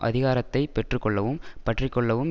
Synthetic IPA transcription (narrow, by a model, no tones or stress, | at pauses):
ʔɐ̰ðɪɣaːɾɐt̪ːɐɪpɛʈrɯkːɔɭːɐʋɯmpɐʈrɪkːɔɭːɐʋɯm